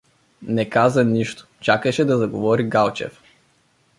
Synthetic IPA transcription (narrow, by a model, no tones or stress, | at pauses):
nɛkazɐniʃt̪o̥t͡ʃakɐʃɛd̪azaɡovɔɾiɡalˠt͡ʃɛ̰f